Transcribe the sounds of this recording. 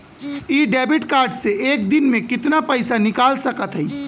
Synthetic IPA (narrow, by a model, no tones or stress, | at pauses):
iɖɛbiʈkaɾɖseek̚d̪inmẽkɪt̪napəɪsanikalsəkət̪ɦəj